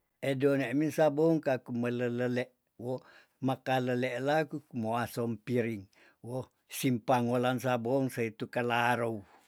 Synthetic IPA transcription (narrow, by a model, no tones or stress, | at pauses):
edoneʔminsaboŋkakumələləleʔ | wo | makaləleʔlakuumoasɔmpiɾiŋ | wo | simpaŋolansaboŋsait̪ukalaɾou